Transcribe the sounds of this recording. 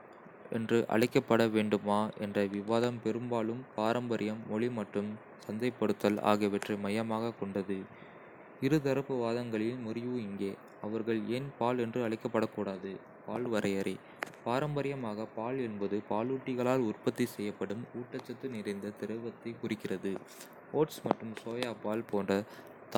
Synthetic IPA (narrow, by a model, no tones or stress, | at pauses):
ɛ̰ndrɯʔɐ̰ɭɐɪkːɐpːɐɽɐʋeːɳɖɯmaːʔɛ̰ndrɐʋɪʋaːðɐmpɛɾɯmbaːlɯmpaːɾɐmbɐɾɪjɐmːɔɭimɐʈrɯm | sɐnd̪ɐɪpːɐɽɯt̪ːɐla̰ːɣɐʋɛʈrɯmɐjɐmaːɣɐkɔɳɖɐðɯ | ɪɾɯt̪ɐɾɐpːɯʋaːðɐŋɡɐɭɪlmʊɾɪjuːɪŋɡeː | ɐʋɐɾɣɐɭeːnpaːlɛndrɯɐɭɐɪkːɐpːɐɽɐkːuːɽaːðɯ | paːlʋɐɾɐjɐɾɐɪ | paːɾɐmbɐɾɪjɐmaːɣɐpaːlɛnbɐðɯpaːluːʈːɪɣɐɭaːlʊrpɐt̪ːisɛjːɐpːɐɽɯmuːʈːɐt͡ʃːɐt̪ːɯnɪɾɐɪnd̪ɐt̪ɪɾɐʋɐt̪ːɐɪkʊrɪkːɪrɐðɯ | oːʈsmɐʈrɯmsoːjaːpaːlpoːndrɐ | t̪